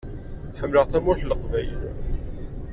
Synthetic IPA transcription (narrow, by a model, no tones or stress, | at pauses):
ħəmːləʁθæmæçləqvæjl